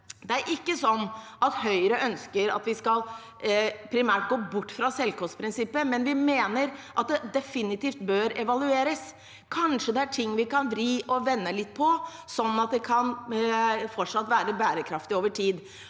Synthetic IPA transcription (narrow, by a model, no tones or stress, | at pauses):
d̪ɛæɾʔɪkːəsɔnː | ɑt̪hœʏɾəʔœnskəɾɑ̰t̪ʋɪskɑlˠ | pʰɾɪmæːʈ̚ɡoːbʊʈːfɾɑsɛlkɔst̪pʰɾɪnsɪpːəmɛnʋɪmeːnəɾʔɑt̪̚d̪ɛd̪ɛfɪnɪt̪iːft̪bøːɾɛʋɑlʉeːɾəs | kʰɑnʂəd̪ɛæʈʰɪŋːʋɪkɑnʋɾiːʔɔʋɛnːəlɪt̪ːpʰɔ | sɔnɑt̪̚d̪ɛkʰɑn | fɔʈʂɑt̪ːʋæːɾəbæːɾəkʰɾɑft̪ɪoːʋəʈʰiːd̪